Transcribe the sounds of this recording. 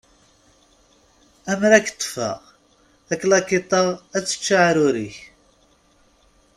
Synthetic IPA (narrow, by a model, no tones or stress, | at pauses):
æmɾækːt̪ˤːə̥fɑ̰ʁ | æklɑkːit̪ˤɑʁæt͡sːə̥t͡ʃːaʕɾʊɾiç